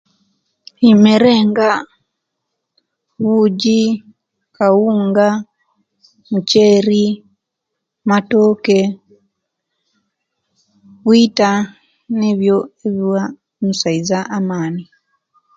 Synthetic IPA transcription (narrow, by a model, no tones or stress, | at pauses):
imeɾeːŋɡa | βuɟi | kawuːŋɡa | muceɾi | matoːke | βwita | neβjo̞eβiwa | musaizaʔːmaːni